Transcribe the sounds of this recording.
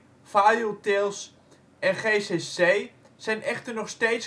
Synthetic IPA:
fajotɪlˠs | ɛnχeːsesej | sɛjnʔɛxtərnɔxsteːts

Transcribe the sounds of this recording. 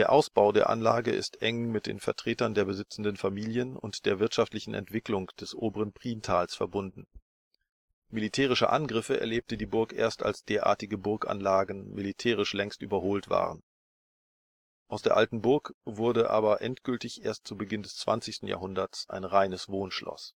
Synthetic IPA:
d̥eːɐʔaʊsb̥aʊdeːɐʔa̰nlaːɡəʔɪ̰stʔɛŋmɪt̚d̥ḛːnfɛɐtʁ̥eːtɐndeːɐbəzɪt͡sn̩dənfamiːljənʊ̰ntd̥eːɐvɪɐtʃaftlɪçn̩ʔɛ̰ntv̥ɪklʊŋd̥ɛsʔoːbəʁənpʁ̥iːntʰaːlsfɛɐbʊndn̩ | militʰɛːʁ̞ɪʃə̰ʔa̰nɡʁɪfəɛ̰ɐleːp̚tədiːbʊɐkʔḛːɐsta̰lsd̥eːɐʔa̰ːɐtɪɡəbʊɐkʔa̰nlaːɡn̩militʰɛːʁ̞ɪʃlɛŋsty̰ːbɐhoːltv̥a̰ːʁən | ʔaʊsd̥eːɐʔaltn̩bʊɐkv̥ʊɐdəʔa̰ːbɐʔɛntɡ̥ʏltɪçʔeːɐst̚t͡subəɡɪndɛst͡sv̥a̰nt͡sɪçstn̩ja̰ːɦʊndɐsʔa̰ɪnʁaɪnəsv̥oːnʃlɔ̰s

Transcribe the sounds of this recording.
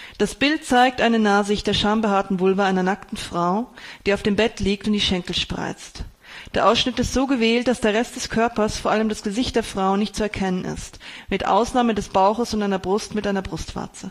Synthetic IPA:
d̥asb̥ɪlt̚t͡saɪk̚tʔaɪnənaːzɪçt̚d̥eːɐʃaɐmbəɦaːɐtn̩vʊlvɐʔaɪnɐnaktn̩fʁ̥aʊd̥iːaʊfd̥eːmbɛtliːktʊntd̥iːʃɛŋkl̩ʃpʁ̥a̰ɪt͡st | d̥eːɐʔaʊsʃnɪtɪstz̥oːɡəvɛːlt̚d̥asd̥eːɐʁɛstd̥ɛskʰœɐpɐsfoːɐʔaləmdasɡ̥əzɪçt̚d̥eːɐfʁ̥aʊnːɪçt̚t͡suɛɐkʰɛnənɪ̰stmɪtʔa̰ʊsnaːmədɛsb̥aʊxəsʊntʔaɪnɐbʁʊstmɪtʔaɪnɐbʁʊstv̥a̰ɐt͡sə

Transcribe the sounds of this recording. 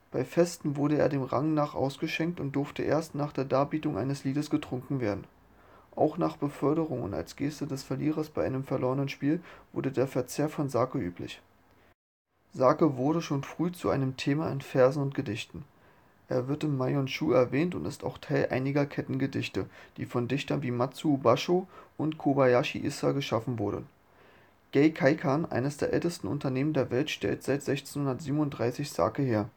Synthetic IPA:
b̥aɪfɛstn̩vʊɐɾəḛːɐdeːmʁa̰ŋnaːχʔa̰ʊsɡ̥əʃɛŋk̚tʊnt̚d̥ʊɐftəʔḛːɐstnaːχd̥eːɐdaːbiːtʊŋʔa̰ɪnəsliːdəsɡ̥ətʁ̥ʊŋkŋ̩veːɐdn̩ | ʔa̰ʊxnaːχb̥əfœɐɾəʁ̞ʊŋʊ̰nta̰lsɡ̥eːstədɛsfɛɐliːʁɐsb̥aɪʔaɪnəmfɛɐloːʁənənʃpiːlv̥ʊ̰ɐdədeːɐfɛɐt͡seːɐfɔnzaːkəʔy̰ːplɪ̰ç | zaːkəvʊɐɾəʃoːnfʁ̥yːt͡suʔa̰ɪnəmtʰeːmaɪnfɛɐzn̩ʊnt̚ɡ̥ədɪçtn̩ | ʔḛːɐvɪɐtɪmːaɪjɔnʃuːɛɐvɛːntʊ̰ntɪsta̰ʊxtʰaɪlʔa̰ɪnɪɡɐkʰɛtn̩ɡədɪçtəd̥iːfɔndɪçtɐnviːmat͡subaʃoʔʊntkʰobajaʃḭʔɪsa̰ɡəʃafn̩vʊɐɾə̰n | ɡ̥ɛɪkʰaɪkʰanʔa̰ɪnəsd̥eːɐʔɛ̰ltəstn̩ʔʊ̰ntɐneːməndeːɐvɛltʃtɛ̰ltz̥aɪtz̥ɛçt͡sen̩hʊndɐtz̥iːbmnʊntd̥ʁaɪsɪçz̥a̰ːkəheːɐ

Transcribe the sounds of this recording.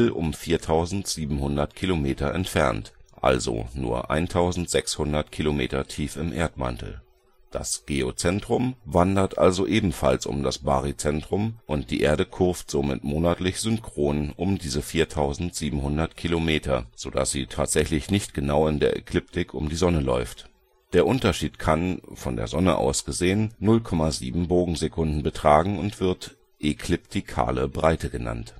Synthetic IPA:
l̩ʊ̰mfiːɐtʰaʊzn̩tz̥iːbm̩hʊndɐtkʰilomeːtɐɛ̰ntfɛ̰ɐntʔa̰lzo̰nṵːɐʔa̰ɪntʰaʊzn̩tz̥ɛkshʊndɐtkʰilomeːtɐtʰiːfɪmʔeːɐtma̰ntl̩ | d̥a̰sɡ̥eːot͡sɛntʁ̥ʊmvandɐtʔa̰lzoʔeːbm̩fa̰lsʊ̰mdasb̥a̰ːʁit͡sɛntʁ̥ʊmʔʊnt̚d̥iːʔeːɐɾəkʰʊɐftz̥oːmɪ̰tmoːnatlɪçz̥ʏmkʁ̥oːnənʔʊmdiːzəfiːɐtʰaʊzn̩tz̥iːbm̩hʊndɐtkʰilomeːtʰɐz̥oːda̰sz̥iːtʰaːtz̥ɛçlɪçnɪçtɡ̥ənaʊɪndeːɐʔḛkʰlʏp̚tɪkʰʊ̰mdiːzɔnəlɔ̰ʏft | d̥eːɐʔʊntɐʃiːtkʰanfɔndḛːɐzɔnəʔa̰ʊsɡ̥əzeːənːʊlkʰɔmaziːbm̩boːɡŋ̩zekʰʊndn̩bətʁ̥aːɡŋ̩ʊntv̥ɪɐt | ʔekʰlɪp̚tʰikʰa̰ːləbʁaɪtəɡəna̰nt

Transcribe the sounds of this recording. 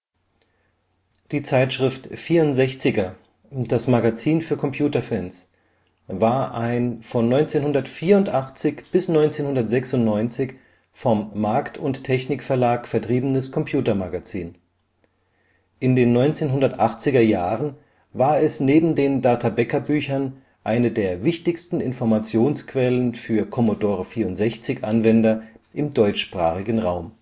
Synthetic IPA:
d̥iːt͡saɪtʃʁ̥ɪftfiːɐʊntz̥ɛçt͡sɪɡɐ | d̥asmaɡat͡siːnfyːɐkʰɔmpʰj̥uːtɐfɛns | vaːɐʔaɪnfɔnːɔʏnt͡seːnhɦʊndɐtfiːɐʊntʔaχt͡sɪçb̥ɪsnɔʏnt͡seːnhʊndɐtz̥ɛksʊntnɔʏnt͡sɪç | fɔmːaɐktʰʊnttʰːɛçnɪkfɛɐlaːkfɛɐtʁ̥iːbənəskʰɔmpʰjuːtɐmaɡat͡siːn | ʔɪndeːnːɔʏnt͡seːnɦʊndɐtʔaχt͡sɪɡɐjaːʁən | vaːɐɛsneːbm̩deːndaɐtʰabɛkɐbyːçɐn | ʔaɪnədeːɐvɪçtɪçstn̩ɪnfɔɐmat͡sjoːnskv̥ɛlənfyːɐkʰɔmodoːʁəfiːɐʊntz̥ɛçt͡sɪçʔanvɛndɐʔɪmdɔʏt͡ʃʃpʁ̥a̰ːχɪɡən̩ʁaʊm

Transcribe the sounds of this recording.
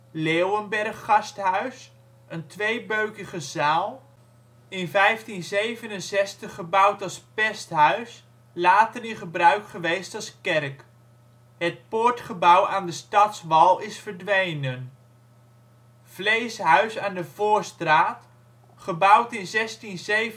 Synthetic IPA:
lewənbɛrχːɑstɦœɥs | əntʋejbøɥkəχəzaːlˠ | ɪnvɛjftinzejvənənsɛstəχəbʌwtɑlˠspɛstɦœɥs | laːtərɪnχəbrœɥkχəʋejstɑlˠskɛrk | ɦət̚pʊɹtχəbʌwaːndəstɑtsʋɑlˠɪsfəɹdʋejnən | v̥lejsɦœɥsaːndəvʊːɹstraːt | χəbʌwtɪnzɛstinzej

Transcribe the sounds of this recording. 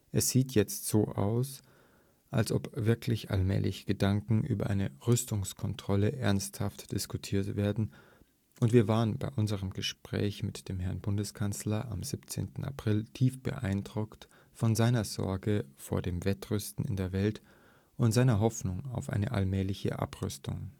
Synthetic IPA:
ʔɛsz̥iːtʰjɛt͡stz̥oːʔa̰ʊs | ʔalsʔɔ̰pv̥ɪɐklɪçʔa̰lmɛ̰ːlɪçəɡ̥ədaŋkŋ̩ʔy̰ːbɐ̰ʔa̰ɪnəʁʏstʊŋskʰɔntʁ̥ɔləʔɛɐnsthaftd̥ɪskutʰiːɐtv̥eːɐdn̩ | ʔʊntv̥iːɐvaːʁənba̰ɪʔʊnzəʁəmɡəʃpʁ̥ɛ̰ːçmɪtd̥eːmɦɛɐnbʊndəskʰanslɐʔamzipt͡sḛːntn̩a̰pʁ̥ɪltʰiːfb̥ə̰ʔa̰ɪndʁʊkt | fɔnzaɪnɐz̥ɔ̰ɐɡəfoːɐdeːmvɛtʁʏstn̩ɪ̰ndeːɐvɛlt | ʔʊntz̥aɪnɐɦɔfnʊŋaʊfʔa̰ɪnəʔa̰lmɛːlɪçə̰ʔa̰pʁʏ̰stʊ̰ŋ

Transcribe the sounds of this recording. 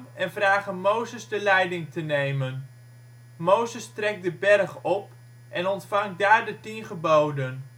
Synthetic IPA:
ɛnvraːχənmowzəzdəlɛjdɪŋtənejmən | mowzəstrɛk̚dəbɛrχɔp | ʔɛnɔntfɑŋdaːɹdətinχəbowdən

